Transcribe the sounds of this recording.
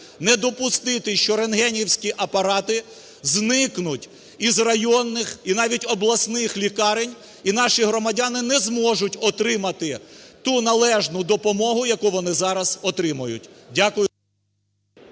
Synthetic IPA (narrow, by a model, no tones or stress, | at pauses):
nɛd̪ɔpʊst̪ɪt̪ɪʃt͡ʃɔɾenɦɛnʲiwsʲkʲiʔɐpɐɾɑt̪ɪ | znɪknʊtʲ | izrɐjɔnːɪxinɑʋʲitʲɔblˠɐsnɪxlʲikɑɾenʲ | inɑʃiɦɾɔmɐdʲɑnɪnɛzmɔʒʊtʲɔt̪ɾɪmɐt̪ɪt̪unɐlˠɛʒnʊd̪ɔpɔmɔɦʊjɐkuʋɔnɪzɑɾɐz̥ɔt̪ɾɪmɐjʊ̰tʲdʲakʊjʊ